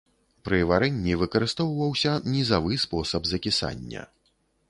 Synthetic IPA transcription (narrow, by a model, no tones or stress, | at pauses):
pɾɨvaɾɛnʲːivɨkɐɾɨst̪ɔwvɐwsʲɐnʲizavɨspɔsɐbzɐkʲisa̰nʲːɐ̰